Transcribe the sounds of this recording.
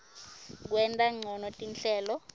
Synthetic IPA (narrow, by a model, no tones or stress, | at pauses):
k̬wɛntʼaŋ͡ǀʱɔnɔtʼinɬɛːlɔ